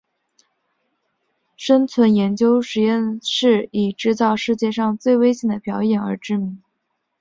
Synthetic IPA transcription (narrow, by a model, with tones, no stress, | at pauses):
ʂə˥nt͡sʰwə˧˥njɛ˧˥nt͡ɕjo˥ʊʂɻ̩˨˧˩jɛ˥˧nʂɻ̩˥˩i˨˩ʈ͡ʂɻ̩˥˧t͡sɑ˥˧ʊʂɻ̩˥˧t͡ɕjɛ˥˧ʂɑ˥˧ŋt͡swe˥˩ɪwe˥ɪɕɛ˧˥˩nd̪ə˧˩pjɑ˧˥ʊjɛ˨˩nə̰˞˧˥ʈ͡ʂɻ̩˥˩mi˧˥ŋ